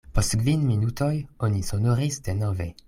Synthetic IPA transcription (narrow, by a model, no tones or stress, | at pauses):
postkvinminut̪ojonisonoʁisd̪enove